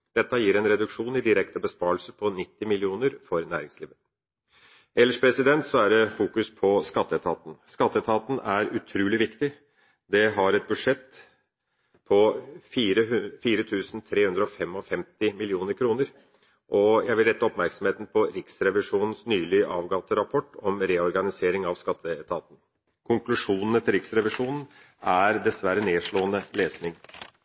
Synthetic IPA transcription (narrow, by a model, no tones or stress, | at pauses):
d̪̥ɛt̪ːəjiːɾɛnɾɛd̪ʉkʂuːnɪd̪ɪɾɛkt̪əbəspɑːlsəɾpʰɔnɪt̪ːɪmɪlɪuːnəɾfɔɾnæ̰ːɾɪŋsliːʋə | ɛlːəʂpʰɾɛsɪd̪ɛnt̪sɔæɖɛfuːkʉspʰɔskɑt̪ːəɛt̪ʰɑːt̪n̩skɑt̪ːəɛt̪ʰɑːt̪n̩æɾʉt̪ʰɾʉːlɪʋɪkt̪ɪ | d̪ɛɦɑɾɛt̪̚bʉd̪ʂɛt̪ː | pʰɔfiːɾəfiːɾət̪ʰʉːsn̩t̪ʰɾeːhʉnd̪ɾəɔfɛmɔfɛmt̪ɪmɪlɪuːnəɾkʰɾuːnəɾ | ʔɔjæɪʋɪlɾɛt̪ːəɔpmæɾksɔmheːt̪n̩pʰɔɾɪksɾɛʋɪʂuːnn̩snyːlɪʔɑːʋɡɑt̪əɾɑpʰɔʈːɔmɾeːɔɾɡɑnɪseːɾɪŋɑʋskɑt̪ʰːəɛt̪ʰɑːt̪n̩ | kʰʊŋklʉʂuːnn̩ət̪ʰɪlɾɪksɾɛʋɪʂuːnn̩ | ʔæɾd̪ɛsʋæɾːəneːʂɭoːənəleːsnɪŋ